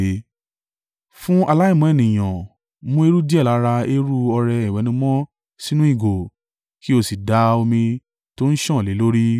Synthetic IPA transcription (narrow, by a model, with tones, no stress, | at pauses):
fũ˦a˧la˦i˦˨mũ˨˦ɛ˦˨nĩ˨j̃ɔ̃˨ | mũ˦e˧ɾu˦di˦ɛ˦˨la˨˦ɾa˧e˦ɾu˦ɔ˧ɾɛ˧i˨wɛ˨˦nĩ˧˦mɔ̃˦ | si˦nũ˦i˦˨ɡo˨ | ki˦o˧si˨da˨˦o˧mĩ˧ | to˦n̩˦ʃɔ̃˦˨le˨˦lo˦ɾi˦